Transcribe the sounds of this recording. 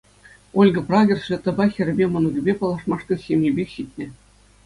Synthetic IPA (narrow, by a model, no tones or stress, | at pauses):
ulʲɡɤ̆prɑɡʲɤ̆rsʋʲĕt̪ːɤ̆bɑxʲɘ̆ɾʲɘ̆bʲemɤ̆nuɡʲĭbʲepɑlˠɑʂmɑʂt̪ʲɤ̆ɕʲemʲjʲibʲekʲɕit̚ʲnʲɘ̆